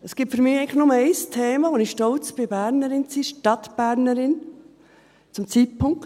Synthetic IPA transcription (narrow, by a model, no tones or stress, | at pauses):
ɛsɡ̥ɪːp̚tfyɾmiːɛɪŋlɪxnʊməɛɪstʰeːmɑʋonɪxʃtɔlt͡sb̥ɪbæɾnəɾɪnt͡siʃtɑtb̥æɾnəɾɪn | t͡sʊmt͡sit̚pʰʊŋk